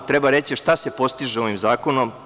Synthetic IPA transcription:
t̪ɾe̞baɾe̞t͡ɕiʃt̪ase̞po̞st̪iʒeo̞ʋimzaːkonom

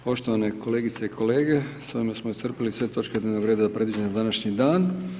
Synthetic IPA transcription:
po̞ʃt̪o̞ʋaneko̞le̞ːɡit̪seikʰo̞le̞ːɡe̞soimasmoist̪r̩pilisʋe̞t̪o̞t͡ʃked̪nevnoɡɾeːd̪azapɾe̞d̪ʋid͡ʒend̪anaʃɲid̪aːn

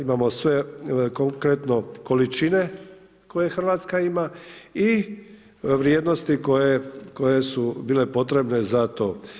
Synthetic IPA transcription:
imamo̞sʋe̞koŋkɾet̪no̞kolit͡ʃine̞ | ko̞je̞xr̩ʋaːt̪skaimai | ʋɾjeːd̪no̞st̪iko̞jeko̞je̞subiːle̞po̞t̪ɾe̞bne̞zat̪o̞ː

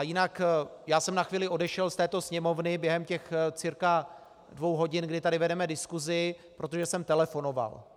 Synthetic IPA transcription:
ajɪnakjaːsɛmnaxviːlɪʔo̞dɛʃɛlst̪ɛːt̪o̞sɲɛmo̞vnɪbjɛɦɛmcɛxt͡sɪɾka | dvo̞wɦo̞ɟɪnɡdɪt̪adɪvɛdɛmɛdɪskuzɪpɾo̞t̪oʒɛsɛmt̪ɛlɛfo̞no̞va̰l

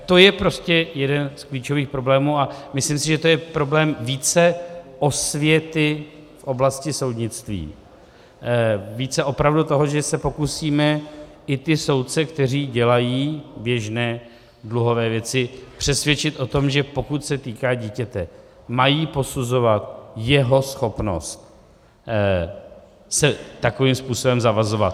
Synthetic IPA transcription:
t̪o̞jɛpɾo̞scɛjɛdɛnskliːt͡ʃo̞viːxpɾo̞blɛːmuːamɪslimsɪʒɛt̪ojɛpɾo̞blɛːmviːt͡sɛʔo̞svjɛt̪ɪfʔo̞blascɪso̞wd̪ɲɪt͡st̪vḭː | viːt͡sɛʔo̞pɾavdut̪o̞ɦo̞ʒɛsɛpo̞kusiːmɛ | ɪt̪ɪso̞wt̪̚t͡sɛkt̪ɛr̝iːɟɛlajiːbjɛʒnɛː | dluɦo̞vɛːvjɛt͡sɪpr̝̥ɛsvjɛt͡ʃɪt̪ʔo̞t̪o̞mʒɛpo̞kut̪sɛt̪iːkaːɟiːcɛt̪ɛ | majiːpo̞suzo̞vat̪jɛɦo̞sxo̞pno̞̰st̪ | sɛt̪ako̞viːmspuːso̞bɛmzavazo̞vat̪̚

